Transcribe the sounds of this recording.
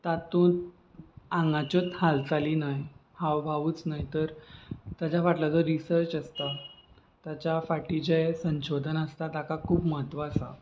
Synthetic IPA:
t̪at̪ũt̪ | ãŋɡãt͡ɕot̪halt͡saliːnajhawbʱaʋuːt͡snajt̪əɾt̪jad͡ʑaʋaʈlad͡zɔɾisəɾt͡ɕəst̪a | t̪jat͡ɕafaʈid͡ʑesə̃ɕod̪ʱənəst̪at̪akakʰuːpməɦət̪ʋaːsa̰

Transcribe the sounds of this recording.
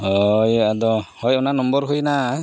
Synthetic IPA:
hɔjad̪ɔhɔjɔnanɔmbɔɾɦujna

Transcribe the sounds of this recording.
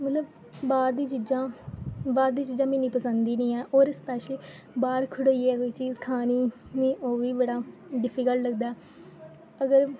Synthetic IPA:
mət̪ləb | baːɾd̪iːt͡ʃid͡ʒãːbaːɾd̪iːt͡ʃiːd͡ʒãːmɪ̃ːniːpəsə̃nd̪iːnĩːɛːʔoːɾspɛːʃliː | baːɾkʰʊɽːiɛːkoit͡ʃiːzkʰaːniːnĩːʔoːʋiːbəɽaːɖɪpʰɪkəlləɡd̪aːɛː | əɡəɾ

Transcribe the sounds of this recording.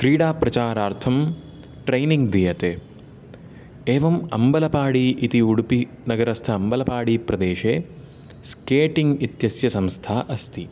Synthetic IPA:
kɾiːɽaːpɾɐt͡ʃaːɾaːɾt̪ʰɐm | ʈɾɐjniŋɡd̪ijɐt̪eː | eːʋɐmɐmbɐlɐpaːɽiʔːt̪iuɽupi | nɐɡɐɾɐst̪ʰɐːmbɐlɐpaːɽiːpɾɐd̪eːʃeː | skeːʈiŋɡit̪jɐsjɐsɐmst̪ʰaːʔɐst̪i

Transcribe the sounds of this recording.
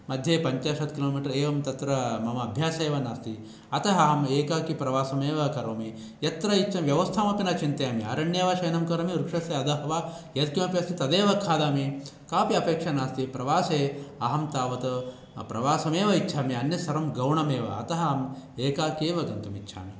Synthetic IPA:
mɐd̪ʱjeːpɐɲt͡ʃaːʂɐt̪kiloːmiʈɐɾeːʋɐmt̪ɐt̪ɾɐmɐmɐːbʱjaːsɐeːʋɐnaːst̪i | ɐt̪ɐɦɐɦɐmeːkaːkipɾɐʋaːsɐmeːʋɐkɐɾʋɐmi | jɐt̪ɾɐit͡ʃːt͡ʃʰɐmʋjɐʋɐst̪ʰaːmɐpinɐt͡ʃint̪ɐjaːmiɐ̰ɾɐɳjeːʋɐʃɐjnɐmkɐɾɐmiɾukʂɐseːɐd̪ɐɦɐʋaː | jɐt̪kimɐpjɐst̪it̪ɐd̪eːʋɐkʰaːd̪aːmi | kaːpiɐpeːkʂɐnaːst̪ipɾɐʋaːseːɐɦɐmt̪aːʋɐt̪ɐ | pɾɐʋaːsɐmeːʋɐitːt͡ʃʰaːmiɐnjɐsɐɾɐmɡɐwɳɐmeːʋɐ̰ɐ̰t̪ɐɦɐːɐmeːkaːkeːʋɐɡɐnt̪ɐmitːʃʰa̰ːmi

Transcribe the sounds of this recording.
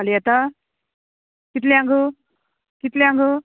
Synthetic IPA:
alijɛt̪a | kit̪leãŋɡu | kit̪leãŋɡu

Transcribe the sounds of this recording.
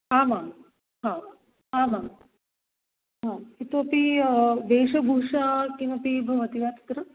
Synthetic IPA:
aːmaː | ɦãː | aːmaː | ɦãːit̪oɐpiʋeːʂɐbʱuʂakinɐpibʱɐʋɐt̪iʋaːt̪ɐ̥t̪ɾɐ

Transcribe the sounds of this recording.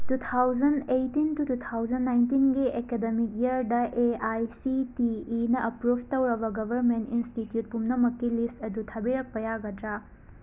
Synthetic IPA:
tut̪ʰawd͡ʒɐndejtintutut̪ʰawd͡ʒɐnːajntinɡiekedemik̚jɐɾdɐʔeajsitiːnɐʔɐpɾubtɐwɾɐbɐɡɐbʱɐɾmentinstitjut̚pumnɐmɐkːilistɐdutʰɐbiɾɐk̚pɐjaɡɐdɾa

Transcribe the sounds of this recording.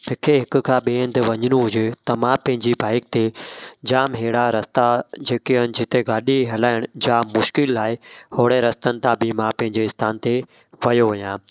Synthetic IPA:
ɦɪkʰeɦɪkʊ̆kʰãːɓeːə̃nd̪ʋɐɲəñũɦʊd͡ʑet̪ɐmãpɐ̃ɦɪ̃ɲd͡ʑibʱaːɪk̚t̪ed͡ʑaːmɦeːɽaɾɐst̪ad͡ʑeːkiɦənɪ̆d͡ʑɪt̪eɡaːɗiɦɐlaːɪɽ̃ʊd͡ʑaːmːʊʃkɪlːaːɪhoːɽeɾɐst̪ənɪ̆t̪ãbʱɪmãpɐ̃ɦɪ̃ɲd͡ʑeɪst̪ʰaːnt̪e | ʋɐjoʋɐjãː

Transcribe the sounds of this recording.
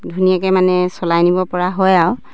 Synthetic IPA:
dʱunijakɛmanɛsɔlajnibɔpɔɹaɦɔjaw

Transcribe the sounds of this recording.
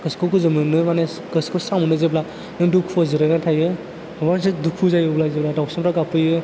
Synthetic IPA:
kɯskʰɯwkɯzɯmɯnɯmane | kɯskʰɯsamɯnɯzebla | nɯdukʰɔzɯɾɯnatʰajɯ | mansɯdukʰuzajɯblazebladawsamɾaɡapʰɯjɯ

